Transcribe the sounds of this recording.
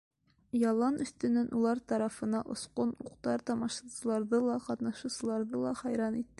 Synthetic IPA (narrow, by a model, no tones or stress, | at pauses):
jɒlˠɑnɵ̆st̪ɵ̆nɘnʔulˠɑɾt̪ɒɾɑfɤ̆nɑʔŏsqonuqt̪ɑɾt̪ɒmɑʃɑsɤ̆lˠɑɾðɤlˠɑqɒt̪nɑʃusɤ̆lˠɑɾðɤlˠɑχɒjɾɑnit̪ːɘ